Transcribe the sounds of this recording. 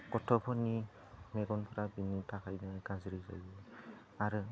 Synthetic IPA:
kɔtʰɔpʰɔni | mɛɡɔnpʰɔɹabinitakʰajnakazɹiza̰jbɔ | aɹɯ

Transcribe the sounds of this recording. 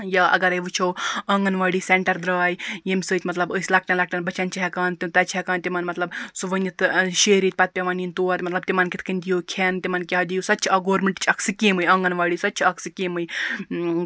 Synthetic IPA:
jɐɐ̰ɡɐɾajʋɨt͡ʃʰowɐŋɡɐnʋaːɽiːseɳʈɐɾd̪ɾaːjjemʲsəːt̪ʲmɐt̪lɐbəsʲlak̚ʈɐnlak̚ʈɐnbɐt͡ʃɐnt͡ʃiɦɛkaːnt̪it̪at͡ʃiɛkaːnt̪imɐnmɐt̪lɐbsuʋənit̪ʃeːɾiːt̪̚ʲpɐt̪̚pʲeʋanint̪oːɐt̪mɐt̪lɐb̚t̪imaːnkit̪ʰkɐnʲd̪ijokʰent̪imɐnkʲeɐd̪ijusɐt̪ːt͡ʃʰɐɡoːɾmʲeɳʈt͡ʃʰɐksɨkʲeːmɨjɐŋɡɐnʋaːɽiːsɐtːt͡ʃʰɐksɨkʲeːmɨj

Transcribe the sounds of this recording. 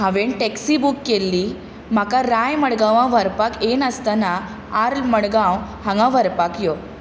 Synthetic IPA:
ɦãʋeɳʈɛksibukːelːi | m̤akaɾajməɽɡãʋãʋəɾpakenəst̪ana | aɾlməɽɡãwɦãŋɡãʋəɾpakjo

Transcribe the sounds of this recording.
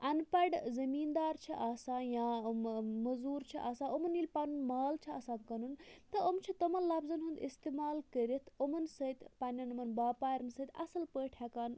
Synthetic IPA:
ɐnpɐɖzɐmiːnd̪aːɾt͡ʃʰiʔaːsaːjãːmɐzuːɾt͡ʃʰḭʔaːsãːomɐnilʲpanunmaːlt͡ʃʰiɐ̰ːsãːd̪kɐnunt̪ɐʔomt͡ʃʰit̪ɐmɐnlɐbzɐnɦund̪ḭst̪eːmaːlkəɾʲɐt̪ʰomɐnsɐt̪pɐnʲɐnɐmɐnbaːpaːɾɐnsɐt̪ʰʲɐ̰sɐlpəːʈʰhɛːkaːn

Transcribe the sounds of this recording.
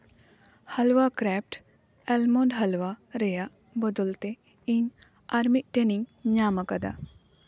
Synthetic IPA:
hɐlʋakɾɛːp̚ʈ | ɛlmoːnɖɦɐlʋaɾeja | bɐd̪əlt̪e | in | aɾmiʔʈeniŋɡɲaːmɐkɐd̪a̰

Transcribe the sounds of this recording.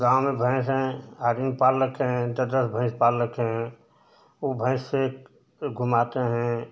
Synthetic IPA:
ɡãːw̃mẽbʱə̃ɪ̃sɦɛ̃ɦaɾĩŋɡpaːlːəkeɦɛ̃d̪əd̪əsbʱə̃ɪ̃spalːəkeɦɛ̃ | obʱə̃ɪ̃sse | ɡʱumat̪eɦɛ̃

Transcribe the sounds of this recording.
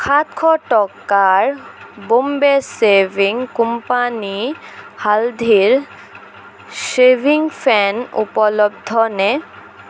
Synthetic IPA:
kʰat̪kʰɔʈɔkːaɾbombeseviŋkumpanihald̪ʱiɾ | sebiŋfʰɛnṵpɔlobd̪ʱɔne

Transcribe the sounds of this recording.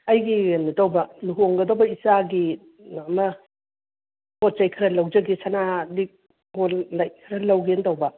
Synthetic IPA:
ɐjɡinɐtawbɐluɦoŋɡɐdɐwbɐisaɡi | ɐmɐ | pot̚t͡ʃajkʰɾɐlɐwd͡ʒɐɡisanalik̚ | ɡolːajkʰɾɐlɐwɡentɐwbɐ

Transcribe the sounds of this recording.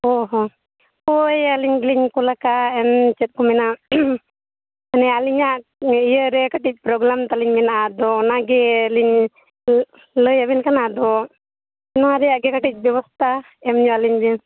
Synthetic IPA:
ɔɦɔ | pɔjaliɲɡliɲkɔlakaɛnt͡ʃɛt̪̚kɔmɛna | anɛaliɲaʔijəɾɛkaʈic̚ˀpɾɔɡɾamt̪aliɲmɛnaʔad̪ɔnaɡɛliɲ | ləjabɛnkanad̪ɔ | ɛnaaɾɛjaʔɡɛkaʈic̚ˀbjɛβɔst̪ʰa | ɛmɲualiɲdɛ

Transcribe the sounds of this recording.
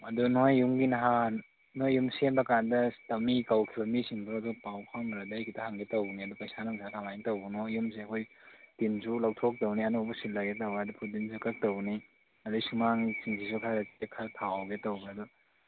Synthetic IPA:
ɐdunojːuŋɡinɐɦanː | ojːumsenbɐkandɐtɐmikɐwkʰibɐmisiŋbuɾɐdupawpʰaŋmɾɐdajkitʰɐhaŋɡetɐwniɐdupajsanaŋsakʰamajntɐwbunoːums̬eɐkʰojtinzulawtʰok̚tɐwniɐnobusilaɡetɐwadupʰudinzukɐk̚tɐwni | ɐdusumaŋisiŋsʰisukʰaɾɐtiekʰaɾtʰawɡetɐwɡaɐdu

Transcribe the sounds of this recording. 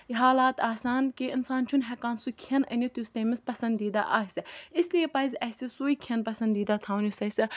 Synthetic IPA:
iɦaːlaːt̪aːsaːnkeʔɪnsaːnt͡ʃʰunɦɛkãːnsukʰiɐnɐ̰nʲot̪just̪eːmispɐsɐ̃nd̪iːd̪a̰ʔaːɦsʲɐɪsliepɐizʲɐsʲisuːikʰiɐnpɐsɐnd̪iːd̪at̪ʰãːwnʲjusɐsʲɐ

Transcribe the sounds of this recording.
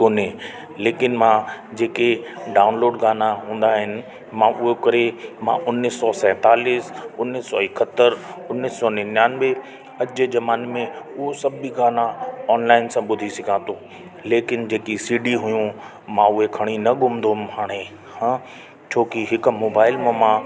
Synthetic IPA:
kone | leːkɪnmãːd͡ʑeːkeɖaːʊnloːɖɡaːnaɦũːn̆d̪aɦɪnɪ̆ | mãːʔʊɦokɐɾemã̰ʔʊnːɪsːɔsɛ̃ːt̪aːliːsʊnːɪsɔɪkʰət̪əɾʊnɪsːɔːnɪnjaːnbe | ɐd͡ʑed͡ʑɐmaːnmẽʊɦosɐbʱbiɡaːnaɔːnlaːɪnsãɓʊd̪ʱisɪkʰãːt̪o | leːkɪnd͡ʑeːkisiːɖiɦʊjũ | mãʊɦekʰɐɽ̃inɐɡʱʊmd̪omhaːɽ̃e | hã | t͡ɕʰoːkiɦɪk̆moːbaːɪlmõmãː

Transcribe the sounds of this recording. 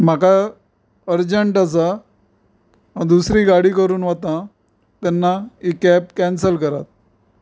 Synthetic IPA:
m̤aka | əɾd͡ʑəɳʈas̬a | d̪usɾiːɡaɽiːkəɾuːnʋat̪ã | t̪ɛnːaikɛp̚kɛnsəlkəɾa̰t̪̚

